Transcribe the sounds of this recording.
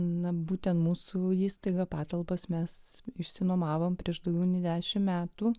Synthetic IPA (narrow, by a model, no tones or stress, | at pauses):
nɐbuːt̪ʲɛnt̪muːsuiːst̪ɐɪɡɐpɑːt̪ɐlˠbɐsmʲɛs | ɪʃʲsʲɪnoːmɑːʋoːmpʲɾʲiɛʃd̪ɐʊɡʲɛʊnʲɪd̪ʲæːʃʲɪmmʲæːt̪uː